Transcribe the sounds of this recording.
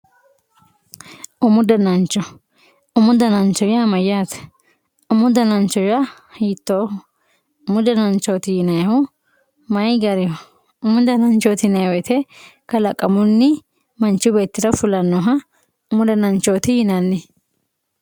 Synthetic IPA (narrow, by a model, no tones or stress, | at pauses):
ʔʊmʊd̪ɐnɐnt͡ʃːɔ | ʊmʊd̪ɐnɐnt͡ʃːɔjamɐjaːt̪ | ʊmʊd̪ɐnɐnt͡ʃɔja | hiːt̪ːoːhʊ | ʊmʊd̪ɐnɐnt͡ʃːoːt̪ɪjɪnɐjhʊ | mɐjɡɐɾɪhʊ | ʊmʊd̪ɐnɐnt͡ʃoːt̪ɪnɐjɔjt̪ɛkɐlɐkʼːɐmʊnːɪ | mɐnt͡ʃːʊbe̞ːt̪ːɪɾɐfʊlɐnːɔɦɐ | ʊmʊd̪ɐnɐnt͡ʃoːt̪ɪhɪnɐnːɪ